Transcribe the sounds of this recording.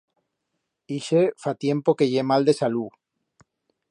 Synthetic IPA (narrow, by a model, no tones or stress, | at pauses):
iʃefat̪je̞mpokeʝemald̪e̞salu